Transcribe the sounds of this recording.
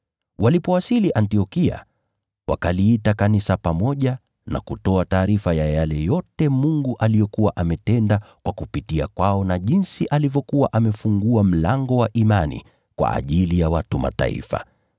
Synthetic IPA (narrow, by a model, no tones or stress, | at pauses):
walipɔwasiliʔantiɔkia̰ | wa̰kaliːtakanisapamɔʄa | na̰kutɔataːɾifajajalɛjɔtɛmuŋɡuʔalijɔkuwaʔamɛtɛndakwakupitia̰kwaɔnaʄinsiʔalivjɔkuwaʔamɛfuŋɡuam̩laŋɡɔwaʔimanḭ | kwa̰ʔa̰ʄilijawatuma̰ta̰ḭfa̰